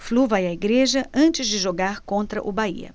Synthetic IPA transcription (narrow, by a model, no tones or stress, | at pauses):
fluvajɐiɡɾeʒɐʔɐ̃nt͡ʃɪzd͡ʒɪʒoɡaɾkõnt̪ɾɐ̰ʔʊbaḭɐ̰